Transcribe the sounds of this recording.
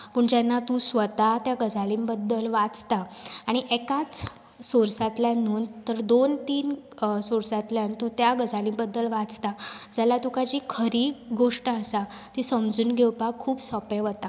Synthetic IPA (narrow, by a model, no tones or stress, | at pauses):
pəɳd͡ʑanːat̪ũsʋət̪at̪jaɡəd͡zʱaliːmbəd̪ːəlʋat͡st̪aːɽ̃iʔekat͡s | soɾsat̪ljanuːnt̪əɾd̪ont̪iːn | soɾsat̪ljant̪ũt̪jaɡəd͡zʱaliːmbəd̪ːəlʋat͡st̪ad͡zalat̪ũkad͡ʑikʰəɾiːɡoʂʈəəsat̪isəmd͡zuːnɡʱewpakʰːuːpsəpeʋət̪a